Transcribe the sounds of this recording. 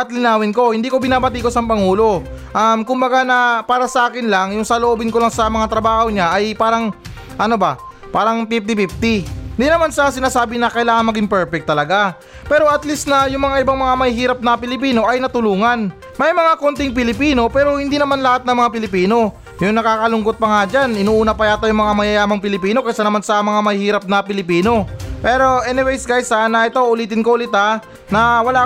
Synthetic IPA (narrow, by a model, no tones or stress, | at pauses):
ʔɐt̪lɪnaːwɪnko̞hɪnd̪iːko̞bɪnaːbɐt̪iko̞sɐmpɐŋuːlo̞ | ʔɐmkʊmbɐɡanɐpaːɾɐsɐʔaːkɪnlaŋjʊŋsɐloʔoːbɪnkolɐŋsɐmɐŋat̪ɾɐbaːho̞ɲaʔɐjpaːɾɐŋ | ʔɐnobɐ | paːɾɐŋpif̚t̪ɪpift̪ɪɪnd̪iːnɐmansas̬ɪnaːsaːbɪnɐkɐjlaːŋɐŋmɐɡiŋpɛɹpɛk̚t̪ːɐlɐɡa | pɛːɾo̞ʔɐt̪list̪nɐjʊŋmɐŋaʔɪbaŋmɐŋamɐhihiːɾɐp̚nɐpɪlɪpiːno̞ʔɐjnɐt̪ʊluːŋɐn | mɐjmɐŋako̞nt̪ɪŋp̬ɪlɪpiːno̞pɛːɾo̞hɪnd̪iːnɐmanlɐhat̪̚nɐmɐŋapɪlɪpiːno̞ | jʊŋnɐkaːkɐlʊŋɡo̞t̪̚pɐŋad͡ʒanɪnuːʔuːnɐpɐjaːt̪ɐjʊŋmɐŋamɐjajaːmɐŋpɪlɪpiːno̞kɐjsanɐmansɐmɐŋamɐhiːɾɐp̚nɐpɪlɪpiːno̞pɛːɾo̞ʔɛnɛwɛjsɡajsanɐʔɪt̪oʔʊliːt̪ɪnkoʔʊlɪt̪a | nɐwɐlaː